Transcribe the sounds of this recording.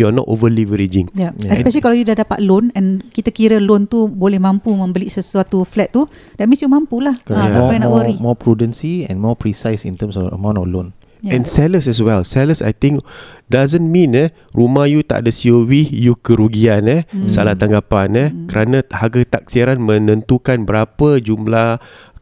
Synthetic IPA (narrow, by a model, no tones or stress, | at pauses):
jɔnɔ̰ʔo̰vəlivəɾid͡ʒɪ̃ŋjajɛspɛʃəlikalajudahdapat̪̚lonɛ̃nkit̪əkiɾəlont̪ubolɛhmãmpumə̃mbəlisəsuat̪uflɛt̪̚ːu | d̥ɛt̚mĩnsjumãmpulahkɔnɔwəɾimɔpɾudə̃nsiɛ̰̃nmɔpɾisajsḭ̃nt̪əmsɔfə̰mãw̃ntɔlõn | ɛ̃nsɛləsɛs̬wɛlsɛləsa̰jt̪ĩŋkdazənmĩnɛ | rumahjut̪a̰ʔdəsiowihjukəɾuɡianɛsalaht̪aŋɡapanɛkəɾanãhaɡat̪ak̚siaɾanmə̃nə̃nt̪ukanbəɾapəd͡ʒumlah